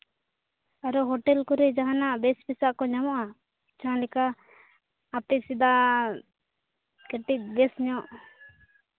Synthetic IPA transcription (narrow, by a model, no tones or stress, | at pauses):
aɾɔɦɔʈɛlkuɾɛd͡ʒaɦanabɛspisaʔkɔɲamɔʔa | t͡ʃʰalikaː | pisid̪a | kɛʈit̪̚bɛsɲɔʔ